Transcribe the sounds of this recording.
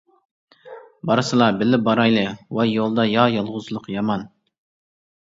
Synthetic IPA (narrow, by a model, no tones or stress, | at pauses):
bɑɾɨsɨlˠɑbɪlɪbɑɾɑjlˠɨwɑjolˠd̪ɑjɑjɑlˠʁʊzlˠʊqjɑmɑn